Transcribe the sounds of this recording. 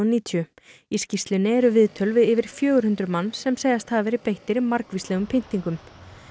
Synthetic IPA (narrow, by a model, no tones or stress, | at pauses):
niːt̪ʰjʏ | iscist̪lɪnɪɛɾʏvɪðt̪ʰœlvɪðɪvɪɾ̥fjœːɣʏɾ̥hʏnt̪ɾʏmanːsɛmsejðast̪haðvɛːɾɪpejht̪ɪɾɪmaɾkvislɛɣʏmpʰɪn̥t̪iŋkʏm